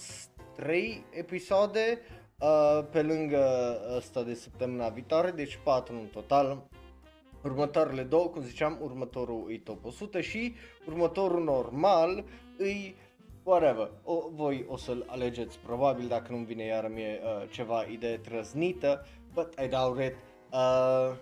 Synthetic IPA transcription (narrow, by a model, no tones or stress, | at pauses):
t̪ɾe̞jepisod̪e̞ | əpe̞lɨŋɡəəst̪ad̪e̞səp̚t̪əmɨnavit̪oaɾe̞d̪e̞t͡ʃʲpat̪ɾuɨnt̪o̞t̪al | urmət̪aɾeled̪owəkumzit͡ʃeamurmət̪o̞ɾuɨjt̪o̞posut̪əʃiurmət̪o̞ɾuno̞rmal | ɨj | waɾevəovo̞josəla̰le̞d͡ʒe̞t̪sʲpɾo̞babild̪akənumvinejaɾəmijeət͡ʃe̞vaʔid̪ejet̪ɾənznit̪ə | bət̪ajd̪auɾet̪ | ə